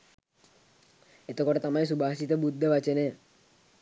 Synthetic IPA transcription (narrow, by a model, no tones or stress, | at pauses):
et̪əkoʈət̪amais̬ubʱaːsit̪əbud̪ʱːəʋat͡ʃəne